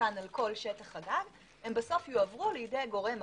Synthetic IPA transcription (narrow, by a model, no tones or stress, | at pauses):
analko̞lʃetaχaɡaɡ | hembeso̞fjuavʁulejide̞jɡo̞ʁe̞m